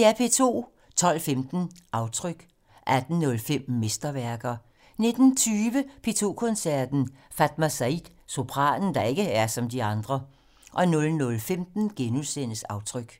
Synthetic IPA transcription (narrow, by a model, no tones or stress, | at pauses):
eæpʰe̝t͡sʰo̝̰ː | t͡sʰɒ̽l̰femd̥n̩ʔɑ̈ʊt͡sʰʁœɡ̥ | ʔæd̥n̩nɔ̽lfem̰mesd̥ɐʋæɐɡ̥ɐ | ne̝d̥n̩t͡sʰyːʋəpʰe̝t͡sʰo̝̰ːkʰɔ̽nsæɐd̥n̩fæd̥mæsæid̥ | so̝pʰʁɑ̰̈ːd̥n̩d̥ɑ̈e̝ɡ̥əæɐsɒ̽md̥iɑ̈nd̥ʁɐ | ʔɒ̽nɔ̽lnɔ̽lfemd̥n̩ɡ̥enuðˠsen̰əsɑ̈ʊt͡sʰʁœɡ̥